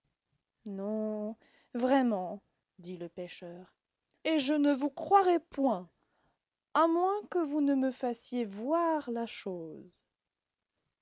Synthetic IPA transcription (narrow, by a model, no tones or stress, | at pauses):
nɔ̃ | vʁɛmɑ̃ | d̪iləpeʃœːʁ | eʒənəvukχwaʁɛpwɛ̃ | amwɛ̃kəvunəməfasjevwaʁlaʃoːz